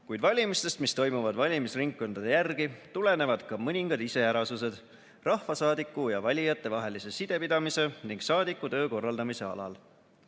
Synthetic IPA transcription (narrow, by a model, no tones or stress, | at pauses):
kujd̪̥vɑlʲimist̪e̞st̪mist̪o̞jmuvɑd̪̥vɑlʲimisriŋkːo̞nd̪̥ɑd̪ejærɡit̪ule̞ne̞vɑd̪̥kɑmɤnʲiŋɡ̥ɑd̪ise̞jæɾɑsuse̞d̪̥ | rɑhvɑsɑːd̪ikːˑujɑvɑlʲijɑt̪ːˑe̞vɑɦe̞lise̞sid̪̥e̞pid̪ɑmise̞niŋɡ̥sɑːd̪ikːˑut̪ø̞ːko̞rːɑld̪ɑmise̞ɑ̰lɑ̰l